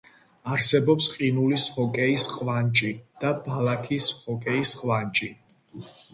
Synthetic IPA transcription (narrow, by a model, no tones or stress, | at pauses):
aɾsɛbɔpsqʼinulisɔkʼɛisqʼvant͡ʃʼid̪̥abalakʰisɔkʼɛisqʼvant͡ʃʼi